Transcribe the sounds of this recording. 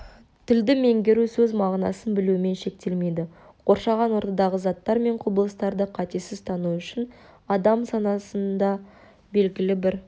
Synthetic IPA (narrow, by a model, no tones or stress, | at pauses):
t̪ʰɪld̪ɪme̞ŋɡʲe̞ɾusɵzmɑʁnɑ̰sənbɪluɪme̞nʃe̞k̚t̪e̞lme̞jd̪ɪ | qʰo̞ɾʃɑʁɑnwo̞ɾt̪ɑd̪ɑʁəzɑt̪ːɑɾme̞ɴqʰʊbəlˠəst̪ɑɾd̪əqʰɑt̪e̞sɪzt̪ʰɑnuʏʃɪnɑd̪ɑmsɑnɑsənd̪ɑ | be̞lɡʲɪlɪbɪɾ